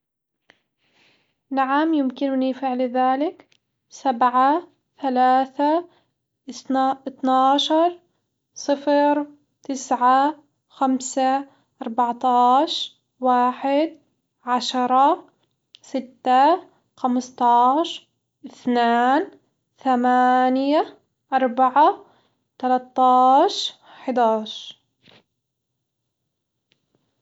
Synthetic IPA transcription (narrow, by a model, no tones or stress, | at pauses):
naʕamjɪmkɪnʊnifɪʕlðaːlɪk | sabʕa | θalaːθa | ʔɪt̪naːʃɑɾˤ | sˤɨfɾ | t̪ɪsʕa | xamsa | ʔɑɾˤbɑʕt̪ˤɑːʃ | waːħɪd̪̚ | ʕaʃɾˤɑ | sɪt̪ːa | xamst̪ˤɑːʃ | ʔɪθnaːn | θamaːnja | ʔɑɾˤbaʕa | t̪alat̪ːɑːʃ | ħɪd̪aːʃ